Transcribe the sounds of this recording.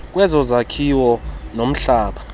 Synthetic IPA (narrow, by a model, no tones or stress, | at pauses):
k̬ʼwɛzɔzakʰiwɔnom̩ɬaːɓa